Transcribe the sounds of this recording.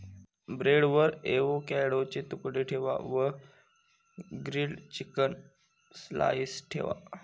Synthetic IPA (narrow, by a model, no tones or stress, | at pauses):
bɾeɽʋəɾeokɛɽot͡ɕet̪ukɽeʈʰeʋa̰ʋə | ɡɾilt͡ɕikən | sla̰isʈʰḛʋa̰